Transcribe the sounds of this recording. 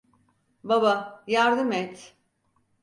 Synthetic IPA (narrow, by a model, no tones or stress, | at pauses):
babajaɾd̪ɯmɛt̪